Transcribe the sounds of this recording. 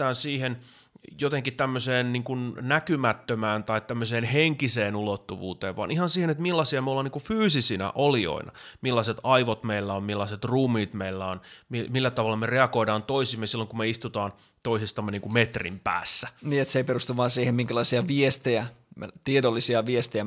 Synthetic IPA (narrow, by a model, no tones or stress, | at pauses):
æːnsiːhen | jot̪eŋkit̪æmːøseːnniːŋkunnækymæt̪ːømæːnt̪ɑitt̪æmːøseːnheŋkiseːnulot̪ːuʋṵːt̪eːʋʋɑ̰nʔihɑnsiːhenet̪milːɑsiɑmeolːɑːniŋkufyːsisinæ̰ʔolio̰inɑ̰milːɑset̪ɑiʋot̪meilːæommilːɑset̪ruːmiːt̪meilːæonmimilːæt̪ɑʋɑlːɑmereɑɡoidɑːnt̪oisimːesilːoŋkumeist̪ut̪ɑːn | t̪oisest̪ɑmːeniːŋkumet̪rḭmpæ̰ːsːæniːet̪seiperust̪uʋʋɑːnsiːhemmiŋkælɑisiɑʋiest̪ejæ̰t̪iedolːisiɑʋiest̪ejæ